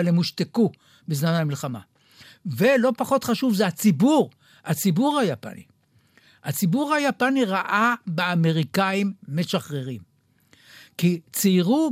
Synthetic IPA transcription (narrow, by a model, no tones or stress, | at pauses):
alemuʃt̪eku | bezmanhamilχama̰ | ve̞lo̞paχo̞t̪χaʃuvzehat͡sibuʁ | at͡sibuʁhajapa̰nḭ | hat͡sibuʁhajapaniʁaʔabeame̞ʁikaimːeʃaχʁeʁim | kit͡siiʁu